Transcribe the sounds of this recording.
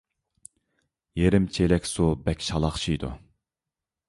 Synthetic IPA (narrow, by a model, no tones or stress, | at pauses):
jeɾɪmt͡ʃʰelɛkʲsubɛkʲʃɑlˠɑχt͡ʃʰijd̪ṵ